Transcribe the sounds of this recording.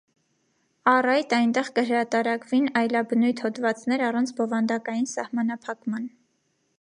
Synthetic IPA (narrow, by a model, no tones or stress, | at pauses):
ɑrɑjt̪ɑjnt̪ɛʁkəɦəɾɑt̪ɑɾɑkvinɑjlɑbənujt̪ʰhɔt̪vɑt͡snɛɾɑrɑnt͡sʰbɔvɑnd̪ɑkɑjinsɑhmɑnɑpʰɑkmɑn